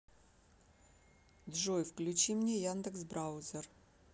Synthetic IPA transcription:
d̪ʐojfklʲʉt͡ɕimnʲejand̪əksbɾaʊzʲer

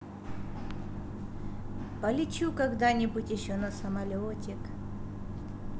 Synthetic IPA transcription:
pəlʲɪt͡ɕukɐɡd̪anʲɪbutʲjɪɕːonɐsɐmɐlʲotʲɪk

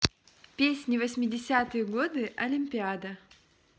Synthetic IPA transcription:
pʲesʲnʲɪvəsʲmʲɪdʲɪsʲat̪ɨjəɡo̞d̪ɨʔɐlʲɪmʲpʲɪad̪ə

